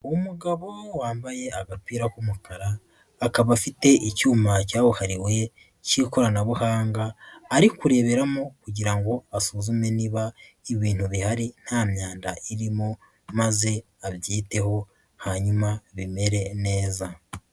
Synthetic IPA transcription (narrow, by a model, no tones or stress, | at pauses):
umuɡaβo̞waːmbaje̞aɡapiːɾakumukaɾaː | kaβafite̞ʔicuːmacaːβuhaɾiwe̞ | ciko̞ɾanaβuhaːŋɡaːɾikuɾe̞ːβe̞ɾamokuɟiɾaŋɡo̞asuzume̞niβaiβiːn̥huβihaɾin̥haːmɲaːnda̰ʔiɾimo | maze̞ | aβjiːte̞ho̞ | haɲumaβimeɾe̞ne̞ːza